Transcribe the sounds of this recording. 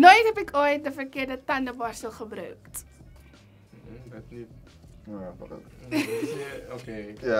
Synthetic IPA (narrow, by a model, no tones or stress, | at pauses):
nojtɛpɛkʰɑjɛt̚dəfərkiərdətɐndəbɐstəlˠχəbɾə̰wkt | okeja